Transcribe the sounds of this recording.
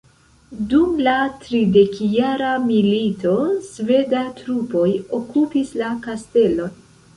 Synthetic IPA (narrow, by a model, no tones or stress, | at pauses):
dumlatɾide̞kjaɾamilito̞sve̞datɾupo̞jokupislakaste̞lo̞n